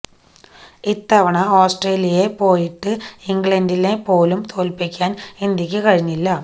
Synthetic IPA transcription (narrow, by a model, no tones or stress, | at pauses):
it̪ːɐʋɐɳɐoːsʈreːlijɐje̞po̞ːjiʈːɨiŋɡɭɐndilepo̞ːlumt̪ʰo̞ːlpikʲːaːnind̪jɐkʲːɨkɐɻiɲːilːɐ